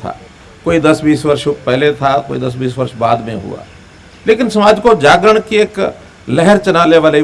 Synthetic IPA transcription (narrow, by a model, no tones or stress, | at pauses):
t̪ʰa̰ː | koːid̪əsbiːsʋəɾʃpɛɦlet̪ʰakoːḭd̪ɐs̬biːsʋəɾʃbaːd̪mẽɦʊ̰a̰ː | leːkɪnsɐmaːd͡ʒkod͡ʒaːɡɾəɽ̃kieːk | lɛɦəɾt͡ʃənaːleʋaːle